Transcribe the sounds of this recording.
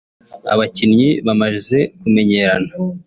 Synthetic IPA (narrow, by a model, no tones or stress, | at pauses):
a̰βacinɲiβamaʒize̞kume̞ɲe̞ɾana